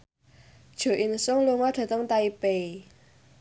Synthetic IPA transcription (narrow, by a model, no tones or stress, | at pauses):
d̥ʒ̥o̤ʔinsʊŋluŋɔɖ̥a̤t̪əŋt̪aipei